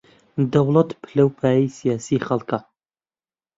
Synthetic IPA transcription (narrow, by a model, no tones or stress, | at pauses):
d̪ɐwlˠɐt̪pʰɨlɐwpʰaːjijsijaːsiːχɐlˠkɐ